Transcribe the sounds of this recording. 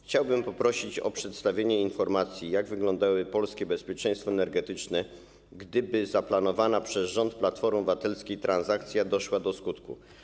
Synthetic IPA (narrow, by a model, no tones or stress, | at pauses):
xt͡ɕawbɘmpɔpɾɔɕit͡ɕɔ̰pʂɛt̪st̪avʲjeɲɛinfɔɾmat̪sʲjijaɡvɘɡlɔ̃nd̪awɘpɔlskʲɛbɛspʲjɛt͡ʂɛj̃st̪fɔɛnɛɾɡɛt̪ɘt͡ʂnɛ | ɡd̪ɘbɘzaplanɔvanapʂɛzʐɔnt̪̚plat̪fɔɾmvat̪ɛlskʲejt̪ɾʔanzak̚t̪sʲjad̪ɔʂwad̪ɔskut̪kṵ